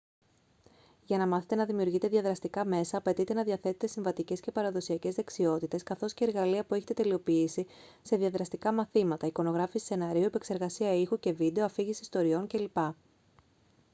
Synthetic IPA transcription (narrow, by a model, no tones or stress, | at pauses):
ʝɐnɐmɐθet̪e̞nɐðimiuɾʝit̪e̞ðiɐðɾɐst̪ikɐme̞sɐːpe̞t̪it̪e̞nɐðiɐθe̞t̪et̪e̞sĩɱvɐt̪ice̞sce̞pɐɾɐðo̞siɐce̞zðe̞ksio̞t̪it̪e̞skɐθo̞sce̞ːɾɣɐliɐpueçet̪e̞t̪e̞lio̞piisi | se̞ðiɐðɾɐst̪ikɐmɐθimɐt̪ɐiko̞no̞ɣɾɐfisse̞nɐɾiuepekse̞ɾɣɐsiɐixuce̞vid̪eoɐfiʝisi̥st̪o̞ɾio̞nce̞lipɐ